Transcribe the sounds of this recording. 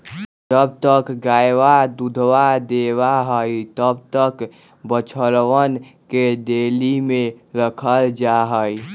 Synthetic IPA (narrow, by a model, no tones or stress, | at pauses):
d͡ʒəb̚t̪əkɡaːjwad̪ud̪ʱwad̪eːwaɦəit̪əb̚t̪ək | bət͡ʃʰəɾwənked̪eːlimẽɾəkʰəld͡ʒaɦəi